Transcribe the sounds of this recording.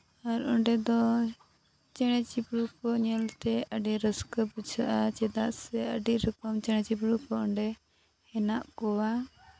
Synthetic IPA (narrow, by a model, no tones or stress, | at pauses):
aɾɔɳɖɛd̪ɔ | t͡ʃɛɽ̃ɛt͡ʃipɽukɔɲɛlt̪ɛəɖiɾəskəput͡ʃʰaʔat͡ʃɛd̪aʔsɛəɖiʔɾəkəmt͡ʃɛɽ̃ɛt͡ʃipɽukɔɔɳɖɛ | hɛnaʔkɔwa